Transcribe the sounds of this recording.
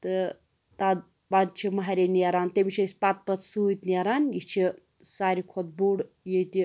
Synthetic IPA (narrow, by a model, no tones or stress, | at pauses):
t̪ɨ | t̪ad̪ | bad̪̚t͡ʃʰimɐɦaɾʲeneɾaːnt̪ebit͡ʃʰisʲpat̪̚pɐt̪ʰsut̪ʲneɾaːnjit͡ʃʰi | saːɾʲikʰod̪̚buːɽ | jet̪i